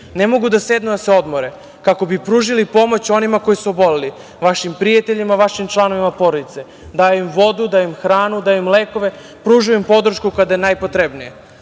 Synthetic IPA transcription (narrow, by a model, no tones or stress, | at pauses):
nemo̞ɡud̪ased̪nud̪aseo̞d̪moɾe | kako̞bipɾuːʒilipo̞mo̞t͡ɕo̞nimako̞jisuobo̞leli | ʋaʃimpɾijat̪eʎimaʋaʃimt͡ʃlˠano̞ʋimapo̞ɾod̪it̪se | d̪aːjoimʋo̞d̪ud̪ajoimxɾaːnud̪aːjoimleːko̞ʋe̞ | pɾuːʒujuimpo̞d̪ɾ̩ʃkukad̪aenajpot̪ɾebnije